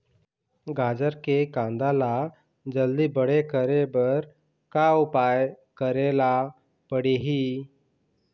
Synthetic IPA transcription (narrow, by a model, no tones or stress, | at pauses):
ɡʱad͡zəɾkekãnd̪ala | d͡zəld̪iːbəɽekəɾebəɾ | kaupaj | kəɾela | pəɽeɦi